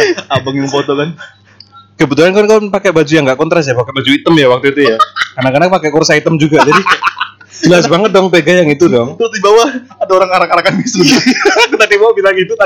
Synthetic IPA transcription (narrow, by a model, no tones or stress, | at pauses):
abəŋjaŋpot̪ɔkan | kəbət̪uɦankankawnpakebad͡ʒujaŋɡaʔkɔnt̪ɾas̬japakebad͡ʒuit̪əmjawak̚t̪uit̪ujakarnakanapakeʔkursait̪əmd͡ʒuɡad͡ʒadi | d͡ʒəlasbaŋət̪̚dɔŋpeɡajaŋit̪udɔŋt̪ɾʊsdibawa | adaoɾaŋaɾakanakanbisut̪kt̪adimaakit̪aɡit̪ut̪a